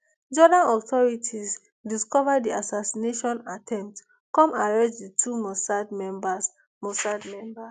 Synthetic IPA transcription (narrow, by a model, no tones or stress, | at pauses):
d͡ʒɔdãnɔtʰɔɹitʰis | diskɔvadiasasineʃɔ̃natʰɛ̃mp̚t | kɔ̃maɹɛ̃d͡ʒditʰumɔsadmɛ̃mbas | mɔsadmɛ̃mba